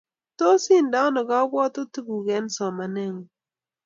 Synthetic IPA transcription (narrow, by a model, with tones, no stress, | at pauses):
to˦si˦nda˦nɔ˨ɡa˦bɔ˦to˦tu˦ɡu˨kɛ˨˦nsɔ˨ma˨nɛ˦˨ŋ˨